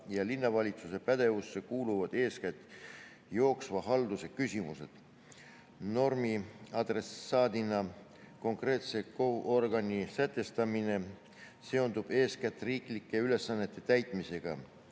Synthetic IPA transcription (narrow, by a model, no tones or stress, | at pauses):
jɑlinːɑvɑlʲit̪suse̞pæd̪̥e̞vusːekuːluvɑd̪̥e̞ːskæt̪ːˑ | jo̞ːksvɑɦɑld̪̥use̞kysimuse̞̰d̪̥ | no̞rmiɑd̪̥re̞sɑːd̪inɑ | ko̞ŋkre̞ːt̪se̞koʔorɡɑnisæt̪ːˑest̪ɑmine̞ | se̞o̞nd̪ub̥e̞ːskæt̪ːˑriːklikːˑe̞yle̞sːɑnːe̞t̪ːˑe̞t̪æjt̪ˑmise̞ɡ̥ɑ̰